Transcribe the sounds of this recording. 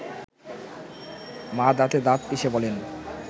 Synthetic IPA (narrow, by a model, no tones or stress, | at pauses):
mad̪at̪ed̪at̪̚piʃebɔlen